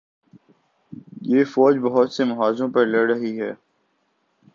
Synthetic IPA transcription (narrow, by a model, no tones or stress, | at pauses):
jeːfɔːd͡ʒbəɦʊt̪semɐɦaːzõpɐɾleɾəɦiɦɛː